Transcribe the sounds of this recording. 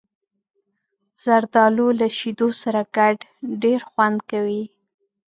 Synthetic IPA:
z̥aɾd̪ɑlolaʃid̪osaɾaɡaɖɖeɾxwand̪kawi

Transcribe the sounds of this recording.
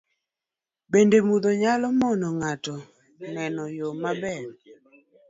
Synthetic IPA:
bendemud̪oɲalɔmɔnɔŋatɔ | nɛnɔjomabɛɾ

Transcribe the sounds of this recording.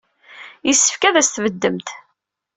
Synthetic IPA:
jisːə̥fkæðæst̪vəd̪ːəmt̪

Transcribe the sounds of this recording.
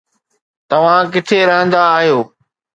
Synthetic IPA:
t̪ɐʋ̤ãk̬ɪʈ̪ʰeɾɐɦə̃nd̪aːɦijoː

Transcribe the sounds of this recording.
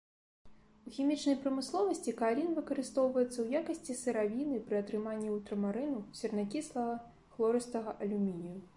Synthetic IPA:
uxʲimʲit͡ʂnɐjpɾɐmɨslˠɔvɐsʲt͡sʲikalʲinvɨkɐɾɨst̪ɔwvɐjɛt̪sːɐwjakɐsʲt͡sʲisɨɾavʲinɨpɾɨɐt̪ɾɨmanʲːiult̪ɾɐmaɾɨnusʲɛrnakʲislˠɐɣɐ | xlˠɔɾɨst̪ɐɣɐʔɐlʲumʲinʲiju

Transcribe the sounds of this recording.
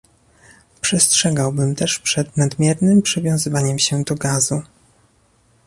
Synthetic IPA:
pʂɛstʂɛɡawbɘmt̪ɛʂpʂɛd̪nad̪mʲjɛɾnɘmpʂɘvʲjɔ̃zɘvaɲɛmɕɛd̪ɔɡazu

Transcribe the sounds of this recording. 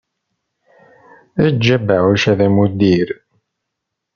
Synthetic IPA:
æd͡ʒːæbəʕuʃæðæmud̪iɾ

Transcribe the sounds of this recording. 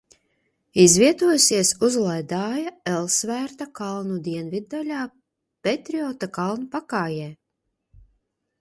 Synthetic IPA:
izviɛt̪uɔjsiɛsuzlˠajd̪aːjaɛlˠsvæːɾt̪akalˠnud̪iɛnvid̪̚ːalʲaː | pet̪ɾiɔːt̪akalˠnupakaːjɛː

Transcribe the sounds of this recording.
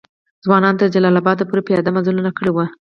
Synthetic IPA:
zwɑnɑnt̪əɾd͡ʒalɑlabɑd̪lapuɾapəjɑd̪amazulunakəɽewə

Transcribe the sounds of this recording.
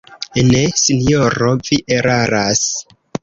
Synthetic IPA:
enesinjoɾoviʔeɾaɾas

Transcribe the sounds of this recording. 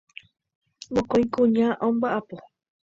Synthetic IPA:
mõkoj̃kũɲãʔõmbaʔapo

